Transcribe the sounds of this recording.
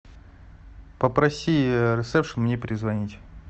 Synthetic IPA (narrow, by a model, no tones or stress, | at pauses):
pəpɾɐsʲiɾɨsɛfʂɨnmnʲepʲɾʲɪzvɐnʲitʲ